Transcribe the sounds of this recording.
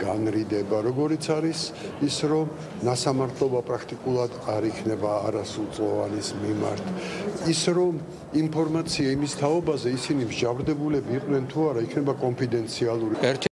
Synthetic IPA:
ɡ̥anɾid̪ɛbaɾɔɡɔɾit̪sʰaɾis | isɾɔm | nasamaɾt̪ʰlɔbapʼɾakʰt̪ʼikʼulˠad̪aɾikʰnɛbaːɾasulˠt̪sʼlˠɔva̰nismima̰ɾt̪ʰisɾɔm | impʰɔɾmat̪sʰiaimist̪ʰaɔbazɛisinimʒavɾd̪ɛbulɛbiːqʼwnɛnt̪ʰuaɾaikʰnɛbakʼɔmpʰid̪ɛnt̪sʰialˠuɾiɛɾt͡ʃʰ

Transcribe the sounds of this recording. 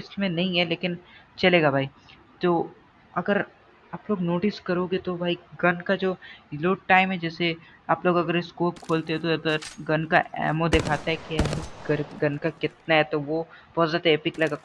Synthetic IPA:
ɪsmẽnɐɦĩɦɛleːkɪn | t͡ʃɐleːɡabʱaːi | t̪oː | ɐɡəɾ | aːploːɡnoːʈɪskɐɾoːɡet̪obʱaːiɡɐnkad͡ʒoːloːʈʈaːɪmɦɛd͡ʒɛːse | aːploːɡɐɡəɾeskoːpkʰoːlt̪eɦɛ̃t̪oɐɡəɾɡɐnkaʔɛ̰ːmod̪ekʰaːt̪aɦɛkiɛːɦĩɡɐɾɡɐnkakɪt̪naɦɛt̪oʋopɔːzɪʈeːpɪklɐɡa

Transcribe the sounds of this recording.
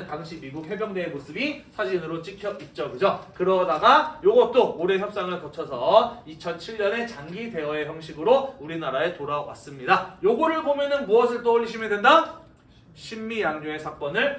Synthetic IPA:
ntaŋɕʰimiɡuk̚ɦe̞ɡjʌŋdeːmosʰɯbisʰad͡ʑinɯɾot͡ɕ͈ikʰjʌʔit̚t͡ɕ͈okɯd͡ʑokɯɾʌdaɡajoɡʌt̚t͈ooɾe̞çjʌp̚s͈aŋɯɭkʌt͡ɕʰʌsʰʌit͡ɕʰʌnt͡ɕʰiʎːʌne̞t͡ɕaŋɡide̞wʌe̞çjʌŋɕʰiɡɯɾouɾinaɾaetoɾawa̰s͈ɯmɲidajoɡʌɾɯɭbomjʌnɯnmuʌsʰɯɭt͈ʌoʎːiɕʰimedwe̞nda | ɕʰimːijaŋɲoe̞sʰak͈wʌnɯɭ

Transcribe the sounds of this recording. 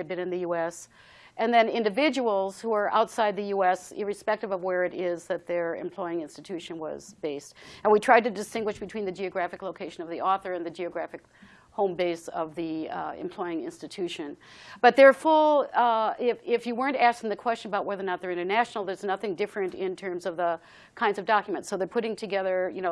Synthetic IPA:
ɨbɨ̃nɨ̃nðɨjuɛs | ʔɨ̃nðɨ̃nɪ̃ndɨvɪd͡ʒəwl̩ˠz̥huə˞ʔa̰ʊtsaɪd̪̚ðɨjuɛsɪɹɨspɛk̚tɨvʌvwə˞ɨɾɪzðɨt̪̚ðə˞ɨ̰̃mpʰl̥ɔɪɪ̃ŋɪ̃nstɨtʰʉʃɨ̃nwʌ̰z̥beɪstɨ̃nwitʰɹ̥aɪd̚tɨdɨstɪ̃ŋɡwɨʃb̥ɨtʰw̥ĩnðɨd͡ʒiɨɡɹæfɨkloʊkʰeɪʃɨ̃nʌvðiʔɔθə˞ɨ̃nðɨd͡ʒiɨɡɹæfɨk | hõʊ̃mbeɪsʌ̰vðiɨ̰̃mpʰl̥ɔɪɪ̃ŋɪ̰̃nstɨtʰʉʃɨ̃nb̥ʌt̪̚ðə˞fʊlˠ | ɪfɪfjɨwɜ˞ɨ̃ntæskɪ̃ŋðɨkʰw̥ɛst͡ʃɨ̃nəbaʊt̚wɛðə˞nət̪̚ðə˞ɪ̃ɾ̃ə˞næʃn̩l̩ˠðə˞znʌθɪ̃ŋdɪfɹɨ̃ntɪ̃ntʰɜ̃˞mzʌvðə | kʰãɪ̃ndzʌvdɑkjmɨ̃ntsoʊðə˞pʰʊɾɪ̃ŋtʰɨɡɛðə˞jɨñoʊ

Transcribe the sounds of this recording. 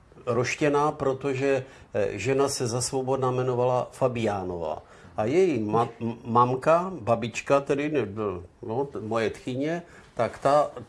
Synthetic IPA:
ɾoʃcɛnaːpɾo̞t̪o̞ʒɛ | ʒɛnasɛzasvobo̞dnamɛno̞valafabɪjaːno̞va̰ː | ʔajɛjimmamkababɪt͡ʃkat̪ɛdɪnɛnomojɛt̪xɪɲɛ | t̪akt̪a

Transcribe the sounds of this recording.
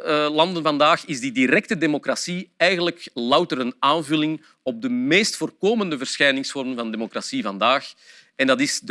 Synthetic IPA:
lɑndənvɑndaːxɪzdidiɾɛk̚tədemokrasiɛjɣənləklɑwtəɾənaːnvɵlɪŋ | ɔb̚dəmeːstfoːrkoːməndəvərsxɛjnɪŋsfɔrmənvɑndemokrasivɑndaːx | ɛndɑtɪzd

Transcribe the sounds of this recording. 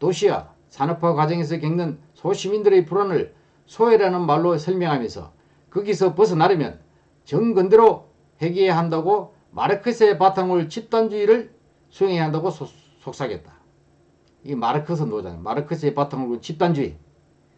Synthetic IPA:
toɕʰia̰ | sʰanɯpʰʌkwad͡ʑʌŋes̬ʰʌk̬eŋnɯnsʰoɕʰimindɯɾɯpuɾanɯɭ | sʰoeɾanɯnmaɭːosʰʌɭmjʌŋɦamjʌnsʰʌ̰ | kɯɡisʰʌpɯs̬ʰɯnaɾɯmjʌ̰n | t͡ɕʌŋɡɯndeɾo | heɡieɦandaɡo | mʔa̰ɾɯkʰɯsʰepatʰaŋuɭt͡ɕʰip̚t͈and͡ʑuiɾɯɭ | sʰujeŋeɦandaɡos | sʰok̚s͈ʰaɡe̞t̚t͈ḁ | imaɾɯkʰɯs̬ʰɯnod͡ʑa̰n̰maɾɯkʰɯs̬ʰeepatʰaŋuuɭt͡ɕʰip̚t͈and͡ʑuḭ

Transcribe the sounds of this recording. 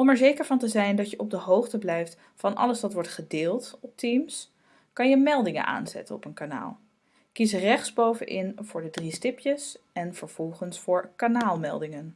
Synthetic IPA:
ɔmɛɹzejkəɹvɑntəzɛjndɑtjəʔɔb̚dəɦowχtəblɛjft | fɑnʔɑ̰ləsʋɑtʋɔɹtχədɪːlˠtɔp̚tims | kɑnjəmɛlˠdɪŋə̰nʔa̰ːnzɛ̰tə̰nɔpənkana̰ːlˠ | kizərɛχtzbowvə̰nʔɪnv̥ʊːɹdədristɪpjəsɛnv̥əɹv̥ɔlˠχənsfʊːɹkanaːlˠmɛ̰lˠdɪŋən

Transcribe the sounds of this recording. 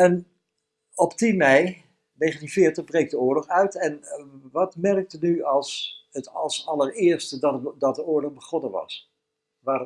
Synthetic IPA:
ɛn | ɔptinmɛj | nejχəntinvɪːɹtəχbrejk̚dəʊːɹlɔχœɥtɛnʋɑtmɛrk̚tənyɑlˠsətɑlˠsɑlˠəɹɪːɹstəddɑt̚dəʊːɹlɔχbəχɔnənʋɑ̰s | ʋaːr

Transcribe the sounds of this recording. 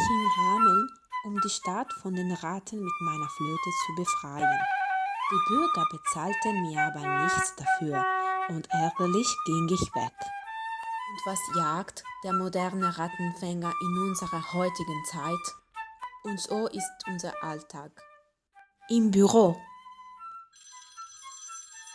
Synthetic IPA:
fɔnhaːmən | ʔʊmdiːʃtatfɔndeːnʁatʰən̩mɪtmaɪnɐfloːtət͡subəfʁ̥aɪənd̥iːbyɐɡɐbət͡saːltənmiːɐaːbɐnɪçt͡sd̥afyːɐʔʊntʔɛɐɡɐlɪçɡ̥ɪŋɪçv̥ɛ̰k | ʊntv̥asjaːktd̥eːɐmodɛʁnəʁatn̩fɛŋɐʔɪnʊnzəʁɐhɔʏtɪɡənt͡saɪt | ʔʊntz̥oːʔɪstʔʊnzɐ̰ʔaltʰaːk | ʔɪmbyʁoː

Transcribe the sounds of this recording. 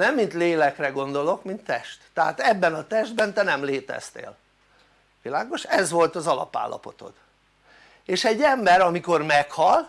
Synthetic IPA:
nɛmːint̪leːlɛkrɛɡo̞nd̪o̞lo̞kmint̪ːɛʃt̪ːɛɦa̰ːt̪ɛbːɛnɒt̪ɛʒd̪̚bɛnt̪ɛnɛmleːt̪ɛ̰z̥t̪ḛːl | ʋilaːɡo̞ʃɛzʋo̞lt̪ɒzɒlɒ̰pa̰ːlːɒ̰po̞t̪o̞̰t̪ | eːʃɛɟːɛmbɛɾɒmiko̞rmɛkhɒl

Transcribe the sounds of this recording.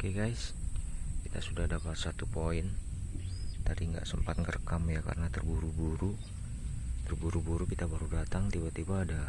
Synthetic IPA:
okɛɡajs | kit̪a̰sudahdapat̪̚sat̪upoɪn | t̪adiŋɡa̰ʔsəmpat̪̚kərkamjaka̰rənat̪ərbuɾubuɾu | t̪ərbuɾubuɾukit̪abaɾudat̪aŋt̪ibat̪ibaːda

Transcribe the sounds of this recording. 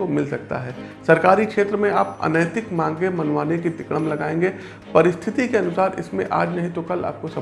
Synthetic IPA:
omɪlsɐk̚t̪a̰ɦɛː | sɐɾkaːɾikʃeːt̪ɾəmẽaːpɐ̰nəjt̪ɪkmãːŋɡemɐnʋaːnekid̪ɪkɽəmlɐɡaːẽːŋɡe | pɐɾɪst̪ʰɪt̪ikeɐnʊsaːɾɪ̰smḛ̃ʔa̰ːd͡ʒnɐɦĩt̪okɐla̰ːp̚kosɐ

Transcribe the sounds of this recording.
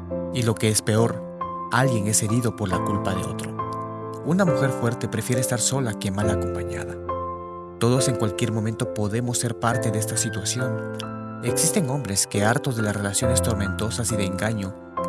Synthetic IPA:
ilo̞ke̞espe̞o̞ɾ | alɡje̞ŋe̞se̞ɾiðo̞po̞ɾlakulpaðeo̞̰t̪ɾo̞ | unamuxe̞ɾfwe̞ɾt̪e̞pɾe̞fjeɾeːst̪aɾso̞lakemalako̞mpaɲa̰ða | t̪o̞ðo̞se̞ŋkwalkje̞ɾmoment̪o̞po̞ðe̞mo̞sːe̞ɾpaɾt̪e̞ðeest̪asit̪wasjo̞n | e̞ksist̪e̞ŋo̞mbɾe̞ske̞aɾt̪oðe̞lasre̞lasjo̞ne̞st̪o̞ɾmẽ̞nt̪o̞sasiðe̞ːŋɡaɲo̞

